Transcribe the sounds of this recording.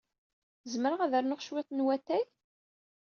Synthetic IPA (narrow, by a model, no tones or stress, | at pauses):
zməɾəʁæðəɾnʊχʃwɪt̪ˤnwæθæj